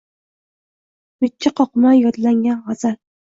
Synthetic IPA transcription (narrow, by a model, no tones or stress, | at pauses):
bɪːaqʰɒqmajɒd̪laŋɡʲanʁɒz̥aɾ